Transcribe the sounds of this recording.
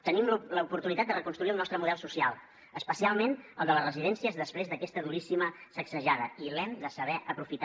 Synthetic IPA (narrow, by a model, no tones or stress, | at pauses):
t̪ənimlləupuɾt̪unit̪at̪̚d̪ərəkunst̪ɾuiulnɔst̪ɾəmuðɛlˠsusialˠ | əspəsialˠmenə̰lˠd̪ələrəziðɛnsiəzðəspɾezðəkɛst̪əðuɾisiməsəksəʒaðəilɛmd̪əsəβɛʔəpɾufit̪a